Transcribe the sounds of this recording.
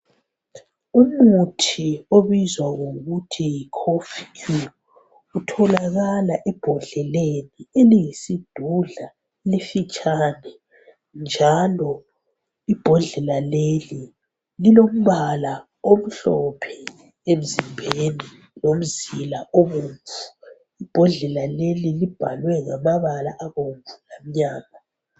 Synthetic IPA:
umutʰioβizwaɣoɣutʰijkʰofiku | utʰɔlaɣalaʔɛb̥ʱɔɮɛlenieliŋisid̥ʱuɮa | lifit͡ʃʼaːnɛ | nd͡ʒʱalɔ | ib̥ʱɔɮɛlaleli | lilom̩βala | om̩ɬɔpʰɛ̥ | em̩zimbʱeni | nom̩zilaʔoβuɱvu̥ | ib̥ʱɔɮɛlalelilib̥ʱa̰lwɛŋamaβalaʔaβoɱvulam̩ɲaːŋa

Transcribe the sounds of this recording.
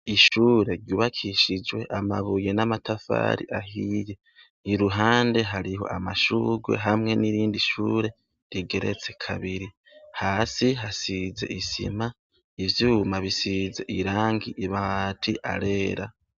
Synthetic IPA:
iʃuːɾe̞ɾjuːβakʰiʃid͡ʒwe̞ʔama̰βujenamatafa̰ːɾḭʔahiːje̞ | iɾuɦaːnde̞ɦaɾiɦo̞̰ʔamaʃuːɡwe̞̰ɦamŋe̞niɾiːndiʃuːɾe̞ | ɾiɡe̞ɾe̞̰t͡se̞kʰaβiɾi | haːsiɦasize̞̰ʔisḭma | ivjuːmaβisize̞̰ʔiɾaːŋɡiʔiβatʰiʔa̰ɾe̞ːɾa

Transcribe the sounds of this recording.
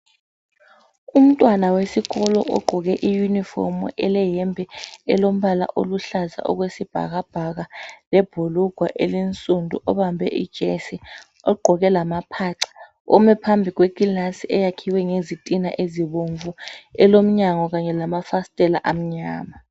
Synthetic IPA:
um̩tʼwanawesiɣɔlɔ̰ʔɔ̰ɡ͡ǃʱɔɣɛʔijunifɔ̰rmṵʔɛlɛjɛmbʱɛɛlom̩ɓala̰ʔoluɬaza̰ʔɔ̰ɣ̬wesib̥ʱa̰ɣab̥ʱaɣalɛb̥ʱuluɡ̥ʱwaʔelint͡sʼundʱṵʔɔβambʱɛ̰ʔḭd̥ʒ̥ʱɛsi | ɔɡ͡ǃʱɔɣɛlamapʰaǀḁ | ɔmɛpʰambʱiɣweɡinasiɛjakʰiwɛŋezitʼinaʔeziβoɱvuɛlom̩ɲaŋɔɣ̬aɲɛlamafastʼɛlaʔam̩ɲa̰ːma

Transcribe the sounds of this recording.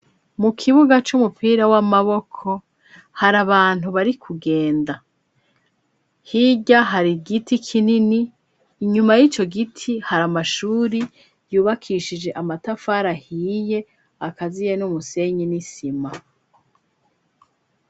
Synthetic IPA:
mukʰiβuɡat͡ʃumupʰiːɾawamaβo̞kʰo̞ | haɾaβaːn̥uβaɾikʰuɡe̞ːnda | hiɟaɦaɾiɡitʰikʰininiː | ɲumajit͡ʃo̞ɡitʰihaɾamaʃuːɾi | juːβakʰiʃid͡ʒe̞ʔamatafaːɾahiːje̞ | akazijenumuse̞ɲinisima

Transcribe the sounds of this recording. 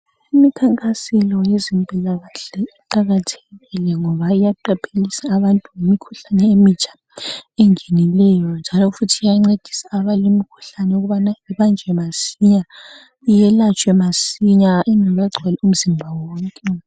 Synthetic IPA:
imikʰaŋkʼasilɔjezimpʼɛlaɣaɬɛiǃaɣatʰeɣilɛŋɔβaijaǃapʰelisaːβantʼuŋimikʰuɬanɛemit͡ʃʰʼḁ | ɛŋenilɛjɔnd͡ʒʱalɔfutʰiijaŋ͡ǀed̥ʱi̥saːβalimikʰu̥ɬanɛuɣuβanajiβand͡ʒʱɛmasiɲa | ijɛlat͡ʃʼwɛmasiɲainʱɔβɛɡ͡ǀʱwɛlɛum̩zimbʱawɔːŋkʼɛ

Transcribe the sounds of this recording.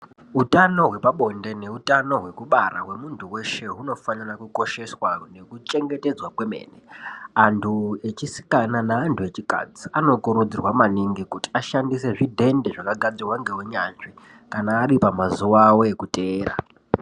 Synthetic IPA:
utano̞ɦwe̞paɓo̞nde̞ne̞utano̞ɦwe̞kuɓara̰ɦwe̞muntʰuwe̞ʃe̞ɦuno̞fanarakuko̞ʃe̞swane̞kut͡ʃe̞ŋɡe̞te̞d͡zwakwe̞me̞̰ːneantʰue̞t͡ʃisi̥kananaːntʰue̞t͡ʃika̰d͡ziano̞koɾud͡zirwamaniŋɡikuti̥aʃandise̞ʐidʱe̞nde̞ʐakaɡʱad͡zirwaŋɡeweɲanʐi | kanaːɾipamazuwaːwo̞ekutʼeːra̰

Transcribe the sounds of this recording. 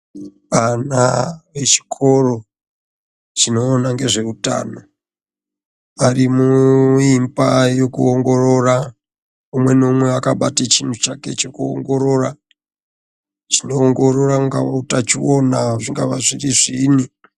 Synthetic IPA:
ʋana̰ʋe̞t͡ʃi̥kʰo̞ro̞ | t͡ʃino̞ːnaŋɡeʐe̞uta̰ːno | ʋarimuimbajo̞kuoŋɡo̞ro̞ra | umwe̞no̞mwe̞akaɓatet͡ʃin̤ut͡ʃake̞̰t͡ʃekuo̰ŋɡo̞ɾo̞ra | t͡ʃino̞ːŋɡo̞ɾo̞rauŋɡaʋautat͡ʃionaʐiŋɡaʋaʐiriʐiːni

